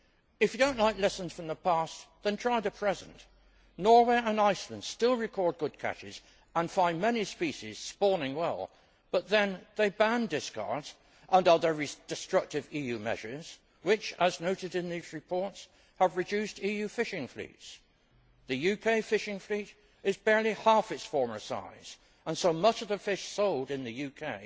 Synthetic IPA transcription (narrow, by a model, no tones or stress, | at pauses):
ɨfjɨdõʊ̃nʔlaɪklɛsn̩z̥fɹʌ̃mðəpʰæsðɨ̃ntʰɹ̥aɪɾɨpʰɹ̥ɛzə̃n̩t | nɔɹweɪə̃naɪslə̃nd̥stɪlˠɹɨkʰɔɹd̚ɡʊd̚kʰæ̰t͡ʃɪ̰z̥ | ə̃nfãɪ̃nmɛnispiʃiz̥spɔɹnɪ̃ŋwɛ̰lˠ | b̥ʌt̪̚ðɨ̃nðeɪbæ̃ndɪskʰɑ̰ɹdz̥ | ʔʌ̃ndəðə˞ɹisd̥ɨstɹ̥ʌk̚tɨvijʉmɛ̰ʒə˞z̥ | wɪt͡ʃəznoʊɾɨɾɨ̃nðizɹɨpʰɔɹts | həvɹɨdʉstijʉfɪʃɪ̃ŋflḭts | ðɨjʉkʰeɪfɪʃɪ̃ŋfliɾ | ɨzbɛɹlˠihæfɨtsfɔɹmə˞sa̰ɪz̥ | ə̃nsoʊmʌt͡ʃʌvðɨfɪʃsoʊlˠdɨ̃nðɨjʉkʰeɪ